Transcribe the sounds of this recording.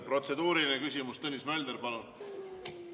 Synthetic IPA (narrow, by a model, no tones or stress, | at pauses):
pro̞t̪se̞d̪uːɾilinekysʲimust̪ɤnʲːismæld̪erpɑlo